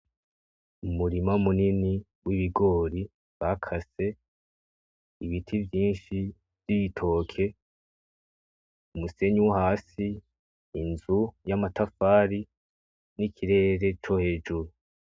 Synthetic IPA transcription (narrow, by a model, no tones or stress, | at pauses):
umuɾimaumunini | wiβiɡo̞ːɾi | βakʰase̞ | iβitʰivjiːnʃi | v̥jitʰo̞ːkʰe̞ | umuse̞ɲuwahaːsiː | nzujamatʰafaːɾi | nikʰiɾe̞ɾe̞t͡ʃo̞he̞ːd͡ʒuɾu